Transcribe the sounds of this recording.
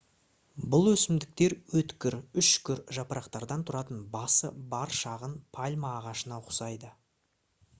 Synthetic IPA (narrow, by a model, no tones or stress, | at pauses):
bʊlˠwɵsɪmd̪ɪk̚t̪e̞ɾwɵt̪kʲɪɾʏʃkʲʏɾʒɑpəɾɑqt̪ɑɾd̪ɑnt̪ʰʊɾɑt̪ənbɑsəbɑɾʃɑʁənpʰalʲmaːʁɑʃənɑqʰʊ̥sɑjd̪ə